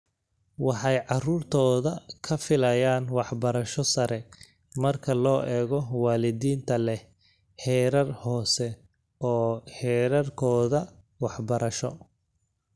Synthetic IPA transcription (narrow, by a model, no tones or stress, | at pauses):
wɑħɑjʕɑruːrt̪ʰɔːðɐkʰɐfɪlɐjaːnwɑħbɐɾɐʃɔsɐɾɛ | mɐrkʰɐlɔːʔɛːɣɔwaːlɪðiːnt̪ʰɐlɛ | hɛːɾɐrhɔːsɛ | ɔːhɛːɾɐrkʰɔːðɐ | wɑħbɐɾɐʃɔ